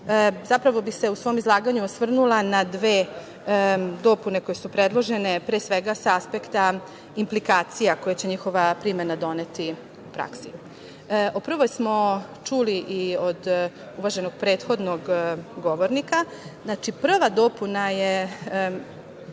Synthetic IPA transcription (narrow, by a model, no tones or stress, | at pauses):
zapɾaʋo̞bise̞usʋo̞ːmizlˠaːɡaɲuosʋr̩nulanad̪ʋeː | d̪o̞ːpune̞ko̞jesupɾe̞d̪lˠo̞ʒe̞ne̞pɾeːsʋeɡasaaspekt̪a | implikaːt̪sijako̞jet͡ɕe̞ɲixo̞ʋapɾimenad̪o̞ne̞t̪i | upɾa̰ksi | opr̩ʋojsmo̞t͡ʃuːliʔiod̪ | uʋaʒe̞no̞ɡ̥̚pɾe̞ːt̪xo̞d̪noɡɡo̞ʋo̞ɾnika | znat͡ʃipr̩ʋad̪o̞ːpunaje